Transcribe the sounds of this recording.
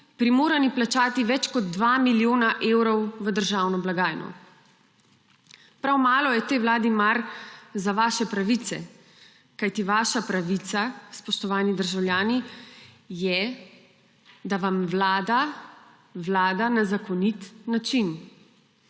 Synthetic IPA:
pɾimoːɾaniplat͡ʃaːt̪iʋɛt͡ʃkɔd̪ːʋaːmiljoːnaʔeːwɾɔwʋəd̪əɾʒaːwnɔblaɡaːjnɔ̰ | pɾawmaːlɔjɛt̪eːwlaːd̪imaɾzaʋaːʃɛpɾaʋit̪ɛ̰ | kajt̪iʋaːʃapɾaʋit̪saspɔʃt̪ɔʋaːnid̪əɾʒawljaːni | jɛ | d̪aʋamʋlaːd̪a | ʋlaːd̪anazakɔnit̪nat͡ʃin

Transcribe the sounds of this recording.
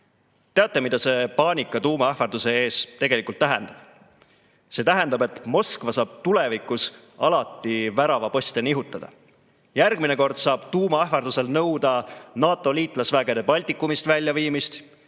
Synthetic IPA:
t̪e̞ɑt̪ːˑe̞mid̪ɑse̞pɑːnʲikːˑɑt̪uːmɑɑhfɑrd̪̥use̞eːst̪e̞ɡe̞likˑult̪ːæɦɛ̰nd̪̥ɑb̥ | se̞ːt̪æɦe̞nd̪̥ɑbe̞t̪mo̞skvɑsɑːb̥̚t̪ule̞vikːˑus | ɑlɑt̪ˑːivæɾɑvɑpɤst̪eniɦut̪ˑːɑd̪̥ɑ̰ | jærɡmine̞ko̞rd̪̥sɑːb̥t̪uːmɑɑɦfɑrd̪use̞lnɤwd̪̥ɑnɑːt̪ːˑo̞liːt̪ˑlɑsvæːɡ̥e̞d̪e̞pɑlʲt̪ikːˑumist̪vælʲjɑviːmist̪

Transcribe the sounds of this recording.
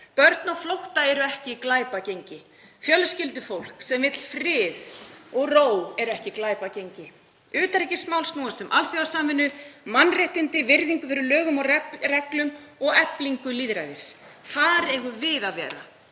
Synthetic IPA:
pœɾt̪nɔflowht̪aɛɾʏɛhcɪklaːjpacejɲcɪ | fjœlscɪlt̪ʏfowl̥ksɛmvɪt̪l̥fɾɪːðɔɣroːwɛɾʏɛhcɪklaːjpacejɲcɪ | ʏːt̪aɾɛcɪsmawlsk̪nɔːwast̪ʏmʔalθjiasaːmvɪnːʏmanːrjɛht̪ɪnt̪ɪvɪɾðiŋkʏθʏɾʏlœːɣʏmɔɛrɛklʏm | ɔɣɛpliŋkʏliːðɾajðɪs | θaɾɛɣʏvɪðaðvɛ̰ːɾa̰

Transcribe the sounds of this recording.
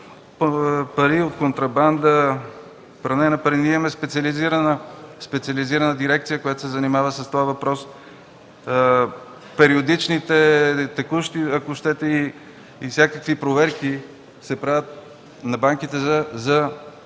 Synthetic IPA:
pɐɾiot̪kont̪ɾɐband̪ə | pɾɐnɛnɐpɐɾinimɛspɛt̪sʲiɐliziɾənəspɛt̪siɐliziɾɐnəd̪iɾɛk̚t̪sijəkojat̪o̥sɛzɐnimavəsəst̪ovavɐpɾɔs | pɛɾiod̪it͡ʃnit̪ɛt̪ɛkuʃt̪iɐkoʃt̪ɛt̪ɛiː | sʲjakəkvipɾovɛɾki | sɛpɾavʲət̪̚ | nɐbaŋkit̪ɛzɐzɐ

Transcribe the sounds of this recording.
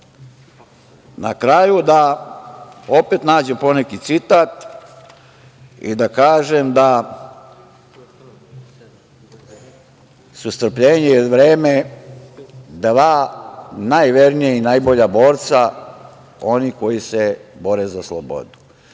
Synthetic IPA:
nakɾajud̪a | o̞pet̪naːd͡ʑempo̞nekit̪sit̪at̪ | ḭd̪akaːʒemd̪a | sust̪r̩pʎeːɲejod̪ʋɾeːme | d̪ʋaːnajʋe̞ɾnijainajboʎabo̞ːɾt̪sa | o̞niko̞jisebo̞ɾezaslˠo̰bo̞̰d̪u̥

